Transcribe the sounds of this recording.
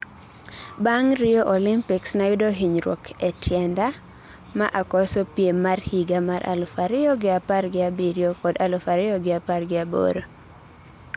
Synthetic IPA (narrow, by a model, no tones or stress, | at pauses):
baŋɾɪjɔʔɔlimpiksnajɪdoɦiɲɾwɔ̰kʰɛtʰjɛnda | maʔakɔsɔpjemarhiɡamaɾʔa̰lʊfaɾɪjɔɡɪaparɡɪabiɾjokɔdalʊfaɾɪjɔɡɪaparɡɪabo̰ɾo